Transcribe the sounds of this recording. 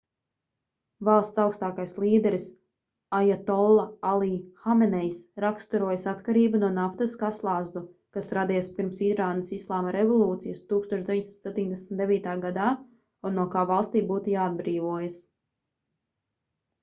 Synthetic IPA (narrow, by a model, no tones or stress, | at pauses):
valˠst̪sawkst̪aːkajslˠiːd̪ɛɾis | ajat̪ɔlˠːaalˠiːhamɛnɛjsɾakst̪uɾuɔjasat̪kaɾiːbunuɔnaft̪ɐskaslˠaːzd̪u | kasɾad̪ijspiɾmsiɾaːnɐsislˠaːmaɾevɔlˠuːt̪sijɐst̪uːkst̪oɔt͡ʃd̪eiɲʲsimt̪sp̚ʲt̪ʲiːɲd̪esmt̪d̪evʲiːt̪aːɡad̪aː | unːuɔkaːvalˠst̪iːbuːt̪ujaːad̪̚bɾiːvuɔjas